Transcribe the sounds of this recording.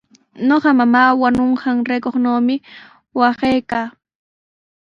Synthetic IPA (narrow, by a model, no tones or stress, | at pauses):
ɲoqɑmamaːwanoɴɢɑŋɾejkoχnoːmɪ | wɑχejkaː